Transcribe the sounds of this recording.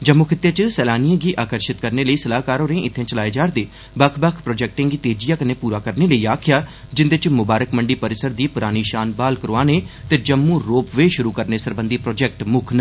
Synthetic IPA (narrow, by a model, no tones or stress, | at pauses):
d͡ʒəmːukʰɪt̪ːeːt͡ʃsɛːlaːnijãːɡiːʔaːkəɾʃɪt̪kəɾneːləiːsəlaːkaːɾoːɾẽːʔɪt̪ʰːẽːt͡ʃəlaːeːd͡ʒaːɾd̪eː | bəkʰbəkʰpɾoːd͡ʒɛːk̚ʈɪ̃ŋɡiːt̪eːd͡ʒijaːkəneːpuːɾaːkəɾneːləiːaːkʰɪjaːd͡ʒɪnd̪eɪt͡ʃmʊbaːɾəkməɳɖiːpəɾɪsəɾd̪iːpʊɾaːniːʃaːnbaːlkəɾoaːneːt̪eːd͡ʒəmːũːɾoːpʋeːʃʊɾuːkəɾneːsəɾbənd̪iːpɾoːd͡ʒɛːk̚ʈmʊkʰnə